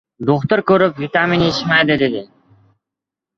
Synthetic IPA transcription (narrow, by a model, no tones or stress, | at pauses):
d̪oχt̪əɾkʲɵɾɪpvit̪aminet͡ʃmæjd̪ɪd̪ed̪ɪ